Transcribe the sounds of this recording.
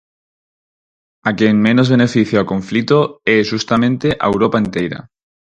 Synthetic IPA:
akjeŋmẽnozβ̞enefiθjaokõɱflit̪oeʒust̪amẽnt̪eʔa̰ewɾopaent̪ejɾa̰

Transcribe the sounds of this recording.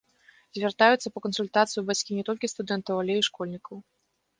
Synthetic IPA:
zʲvʲɛrt̪ajut̪sɐpɐkɐnsulʲt̪at̪sɨjubat͡sʲkʲinʲɛt̪ɔlʲkʲist̪ud̪ɛnt̪ɐwalʲeiʂkɔlʲnʲikɐw

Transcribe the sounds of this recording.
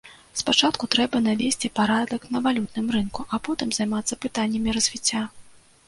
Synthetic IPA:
spat͡ʂat̪kut̪ɾɛbɐnavʲesʲt͡sʲipaɾad̪ɐknɐvalʲut̪̚nɨmrɨnkuʔapɔt̪ɨmzajmat̪sːɐpɨt̪anʲːɐmʲiɾɐzʲvʲit͡sʲːa

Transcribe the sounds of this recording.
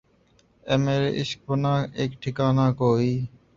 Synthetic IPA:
ɛmeɾḭsk̚bonaekʈʰikanakoj

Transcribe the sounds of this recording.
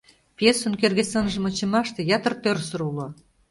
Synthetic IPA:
pjesunkerɣesənʒə̆mŏt͡ɕĕmɑʃt̪ĕjɑt̪ə̆rt̪ørsə̆ɾulo

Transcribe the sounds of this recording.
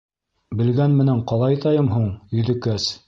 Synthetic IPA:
bɘ̆lɡænmɘ̆næɴqɑlˠɑjt̪ɑjɤmɦuɴjɵ̆ðɘ̆kæs

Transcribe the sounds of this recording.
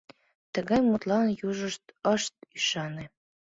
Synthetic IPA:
t̪əɣɑjmut̪lɑnjuʒəʃt̪əʃt̪̚yʃɑne

